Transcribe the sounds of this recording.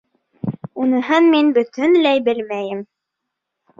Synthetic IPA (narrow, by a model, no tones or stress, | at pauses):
unɤ̆ɦɤnminbɵ̆t̪ɵnlæjbɘlmæjɘm